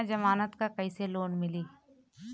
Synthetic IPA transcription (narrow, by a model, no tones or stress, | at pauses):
d͡ʒɐmaːnət̪kakɐiseloːnmɪliː